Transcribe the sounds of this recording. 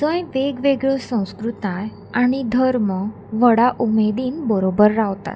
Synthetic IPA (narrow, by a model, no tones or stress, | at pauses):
səjʋeɡʋeɡɭəsə̃w̃skɾut̪aj | aɽ̃id̪ʱəɾmə | ʋəɽaʔumed̪iːnbəɾobəɾːaʋt̪a̰t̪